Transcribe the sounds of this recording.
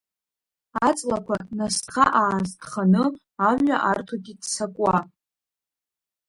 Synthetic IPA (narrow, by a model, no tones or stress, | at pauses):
at͡sʼlakʷʰanasχaʔaːztʰʼχanɨ | aɥʷaʔartʰaɡʲidsakʷʼwa